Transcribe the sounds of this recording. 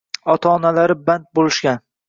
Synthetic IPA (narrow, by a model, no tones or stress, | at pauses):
ɒt̪ʰaːnalaɾɪbant̪̚bolɪʃkʲan